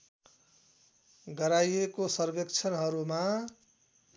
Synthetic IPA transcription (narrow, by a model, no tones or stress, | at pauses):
ɡʌɾajekosʌrbekt͡sʰʌnɦʌɾuma